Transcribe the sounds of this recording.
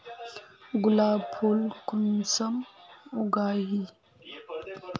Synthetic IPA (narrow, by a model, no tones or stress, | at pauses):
ɡulapʰolkunsɐmuɡaːɦi